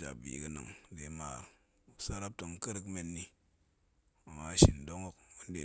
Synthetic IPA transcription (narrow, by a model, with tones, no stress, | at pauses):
d͡ʒa̰˨bḭ˨kə˦nɨ̰˨ŋde˨˦ma˨ | sa˦ɾa˦p̚to˨ŋkə˦ɾkme˨nːi˦ | o˨ŋa˨ʃi˨ndo˦ŋo˦k̚o˦nde˨